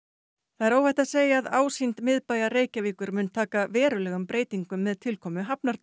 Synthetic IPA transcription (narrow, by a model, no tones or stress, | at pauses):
θaðɛɾoːwhɛjht̪aseːjaːðaːwsint̪mɪðpaːjareːjcaviːkʏɾmʏnt̪ʰaːkavɛːɾʏlɛːɣʏmpɾeːjt̪iŋkʏmːɛðt̪ʰɪlkʰɔːmʏɦapnaɾt̪